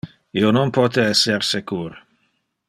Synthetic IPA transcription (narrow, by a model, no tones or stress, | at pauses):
iononpɔt̪eɛsːeɾsekuːɾ